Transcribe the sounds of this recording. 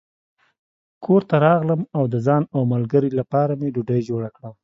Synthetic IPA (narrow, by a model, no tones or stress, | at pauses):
kʰoɾt̪aɾɑɣləmawd̪əzɑnawmalɡəɾilapɑɾameɖʊɖəjd͡ʒoɽakɽəm